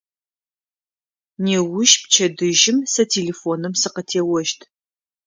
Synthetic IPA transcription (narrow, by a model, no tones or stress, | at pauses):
neːwʊʃp̚t͡ʃʰɐdɨʒɪmsɐtʰeːleːfonɨmsɨqətʰeːwɔʒtʰ